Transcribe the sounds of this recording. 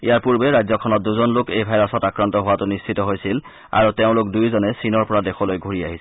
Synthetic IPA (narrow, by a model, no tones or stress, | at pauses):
ḭjaɹpuɹbɛɹajzɔkʰɔnɔt̚duzɔnlʊkejbʱajɹɔsɔtakɹantɔɦʊwatʊnist͡ʃʰitɔɦojsil | a̰ɹuteʊ̃lʊkdujzɔnɛsinɔɹpɔɹadexʰɔlojɡʱoɹiaɦisɛ